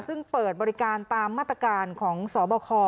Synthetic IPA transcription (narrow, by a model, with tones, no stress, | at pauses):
sɯ˥˩ŋpɤː˨˩t̪̚bɔː˧ɾi˦˥kaː˧nt̪aː˧mːaː˥˩t̪ɾa˧kaː˧nkʰɔː˩˦ŋsɔː˩˦bɔː˧kʰɔː˧